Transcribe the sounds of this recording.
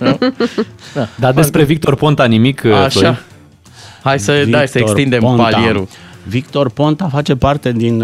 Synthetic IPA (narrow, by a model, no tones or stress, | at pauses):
ad̪ad̪e̞spɾe̞vik̚t̪o̞rpo̞nt̪animikʰaʃa | hajsəvajsəeksind̪emonalieɾu | vik̚t̪o̞rpo̞nt̪afat͡ʃe̞part̪e̞d̪in